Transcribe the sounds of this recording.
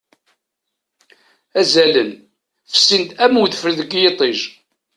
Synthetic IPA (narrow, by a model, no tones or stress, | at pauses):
æzælən | fsːint̪æmuðfəɾðəɡjet̪ˤeʒ